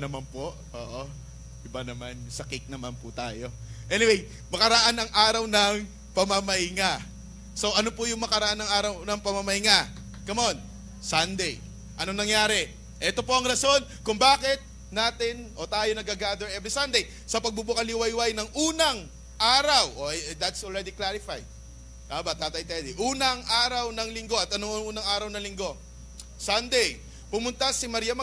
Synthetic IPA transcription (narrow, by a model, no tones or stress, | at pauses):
nɐmanpoʔʔo̰ːʔo | ʔɪbanɐmansɐkɪk̚nɐmanpʊt̪a̰ːjo̞ʔɛnɪwej | mɐkɐɾɐʔanɐŋʔaːɾɐwnɐŋ | pɐmɐmɐʔɪŋa | so̞ʔɐno̞pʊjʊŋmɐkɐɾɐʔanːɐŋʔaːɾɐwnɐŋpɐmɐmɐɪŋa | kɐmon | sɐnd̪ɛj | ʔɐno̞ŋnɐŋjaːɾɛ | ʔɛt̪o̞po̞ʔɐŋɾɐso̞n | kʊŋbaːkɪt̪̚ | naːt̪ɪnʔo̞t̪aːjo̞nɐɡaɡaːd̪ɐɹɛbɾisɐnd̪ej | sɐpɐɡ̚bubʊkɐlɪwɐjwajnɐŋʔuːnɐŋ | ʔaːɾɐwʔod̪ɐt̪solɹɛd̪iklaɾɪfa̰j | aːbat̪aːt̪ɐʔjt̪ɛd̪iʔuːnɐŋʔaːɾɐwnɐŋlɪŋɡo̞ɐt̪ɐnoŋʔuːnɐŋaːɾɐwnɐŋlɪŋɡo̞ | sɐnd̪ɛj | pʊmʊnt̪asɪmɐɾiːjɐmɐ